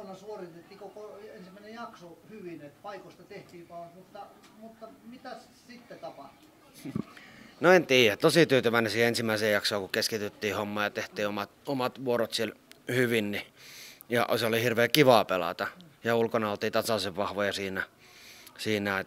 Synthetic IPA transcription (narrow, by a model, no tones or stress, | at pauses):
onɑsuorit̪et̪ːikokoensimːæinejɑksohyʋinet̪pɑikost̪ɑt̪eht̪iːkɑːsmut̪ːɑ | mut̪ːɑmit̪æs | sit̪ːet̪ɑpɑht̪u | noent̪iːjæt̪osit̪yːt̪yʋæˑnesiːensimːˑæˑiseːjɑksoːkukeskit̪yt̪ːiːhomːɑːjɑt̪eht̪ˑiːomɑt̪omɑt̪ʋuoɾot̪sielhyʋinnijɑ̰seolihirʋeːkiʋɑˑpelɑ̰t̪ɑjɑulkonɑolt̪iːt̪ɑsɑlseʋʋɑhʋojɑsiːnæ | siːnæe